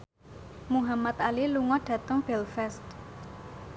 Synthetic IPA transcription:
muɦamat̪aliluŋɔɖ̥ä̤t̪əŋb̥ɛlfɛst̪̚

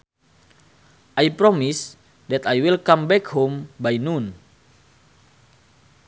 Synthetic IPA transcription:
ʔajpɾɔmis | dɛt̪ajwilkãmbɛkhombajnun

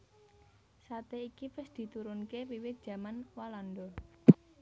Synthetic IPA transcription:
sat̪eikipɪsd̪̥i̤t̪uɾʊnkepiwɪt̪̚d̥ʒ̥ä̤manwaland̪ɔ

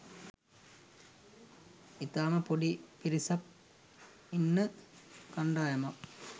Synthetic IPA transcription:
it̪aːmɐpoɖipiɾisɐp̚ | inːɨkɐɳɖaːjɐmɐ

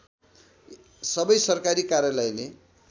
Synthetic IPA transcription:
sʌbʌjsʌrkaɾikaɾjalʌjle

